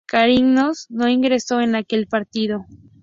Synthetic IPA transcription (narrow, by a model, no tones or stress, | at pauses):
kaɾiŋnosnoiŋɡɾesoenake̞lpaɾt̪iðo